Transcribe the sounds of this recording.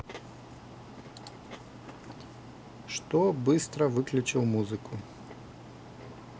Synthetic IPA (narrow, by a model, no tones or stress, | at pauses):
ʂt̪ɔbɨst̪ɾɐvɨklʲʊt͡ʃiwˠmuzɨkʊ